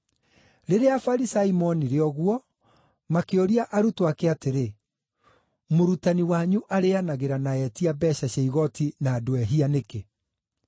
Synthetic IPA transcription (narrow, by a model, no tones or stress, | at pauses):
ɾeɾeafaɾisaimɔniɾeɔɣuɔ | makeoɾiaʔaɾutoakeateɾe | moɾutaniwaɲuʔaɾeanaɣeɾanaɛtiabɛɕaɕaiɣɔtinaːdoɛɦianeke